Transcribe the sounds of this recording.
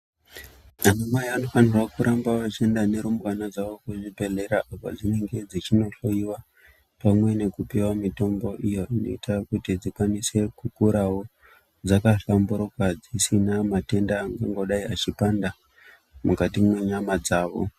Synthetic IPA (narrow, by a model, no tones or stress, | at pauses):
anamwajaano̞fanirwakuɾʔambawat͡ʃendane̞ɾumkanad͡zaʋo̞kuʐibʱe̞ɮe̞ɾaʔapo̰d͡zine̞ŋɡe̞d͡zit͡ʃino̞ɬo̞jiwa | pamwe̞ne̞kupewamito̞mbo̞ʔijo̞ʔino̞̰itajkutid͡zikwanise̞kukuɾawo̞ | d͡zakaɬambuɾokwad͡zisinamate̞ndaːŋɡaŋɡo̞ɗaiat͡ʃipanda | mukatimwe̞ɲamad͡zaːʋo̞̰